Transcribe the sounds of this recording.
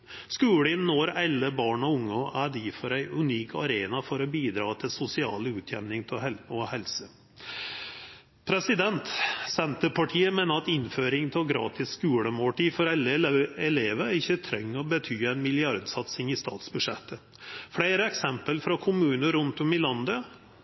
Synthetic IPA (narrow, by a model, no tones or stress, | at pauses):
skʉːɽɪnːoːɾɛlːəbɑːɳɔʊŋːɔʔæɖiːfɔɾæɪʉniːkʰɑɾeːnɑfɔɾɔbiːd̪ɾɑːt̪ʰɪlsʊsɪɑ̰ːlʉːt̪ʰjɛmnɪŋt̪ʰɪɛɔhɛlsə | pʰɾɛsɪd̪ɛnt̪sɛnt̪əpʰɑʈʰiːəmeːnəɾɑt̪ɪnføːɾɪŋt̪ʰɛlɡɾɑ̰ːt̪ʰɪsːkʉːɽəmoːʈiːfɔɾɛlːəɛleːʋəɪçːət̪ʰɾɛŋːɔbət̪ʰyːæɪnmɪlɪɑɾd̪sɑt̪sɪŋɪst̪ɑ̰ːt̪sbʉʂɛt̪ʰːə | fɽæɪɾəɛksɛmpəlfɾɑkʰʊmʉːnəɾʉnt̪ɔmɪlɑnd̪ə